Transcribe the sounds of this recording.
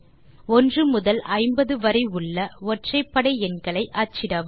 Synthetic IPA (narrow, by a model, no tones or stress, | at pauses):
ɔndrɯmʊðɐlʔɐɪmbɐðɯʋɐɾɐɪɯɭːɐɔʈrɐɪpːɐɽɐɪɛnɡɐɭɐɪʔɐt͡ʃːɪɾɐʋ